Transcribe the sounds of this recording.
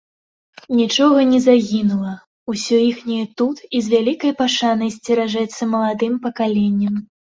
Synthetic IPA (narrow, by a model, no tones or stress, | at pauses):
nʲit͡ʂɔɣɐnʲɛzaɣʲinulˠɐ | usʲɔjixnʲɐjɛt̪ut̪izvʲalʲikɐjpaʂanɐjsʲt͡sʲɛɾaʐɛt̪sːɐmɐlˠad̪ɨmpɐkalʲenʲːɐm